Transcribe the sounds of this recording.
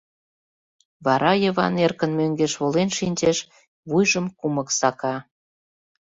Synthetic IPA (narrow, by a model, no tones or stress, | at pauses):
βɑɾɑjəβɑ̰nerkənmøŋɡeʃβolenʃinʲt͡ɕeʃ | βujʒəmkumə̆ksɑkɑ